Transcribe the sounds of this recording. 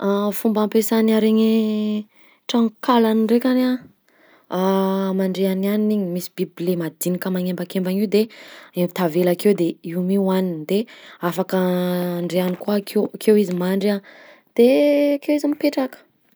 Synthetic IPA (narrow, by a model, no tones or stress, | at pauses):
fumbampesanaɾeɲe | ʈ͡ʂaŋkalaniɳɖ͡ʐekʲana | amaɳɖ͡ʐeananiniɲimisi̥biblemad̪inikəmaŋembakembaŋiwd̪eembit̪avelakewd̪eimiwanind̪eafakəɳɖ͡ʐeanikuakʰekʰewizimaɳɖ͡ʐa | d̪̥ekewizimipeʈ͡ʂakə̥